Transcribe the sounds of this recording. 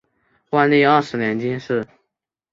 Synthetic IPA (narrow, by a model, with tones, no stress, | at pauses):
wa˥˧nli˥˧a˥˩ʂɻ̩˧˥njɛ˧˥nt͡ɕi˥nʂɻ̩˥˩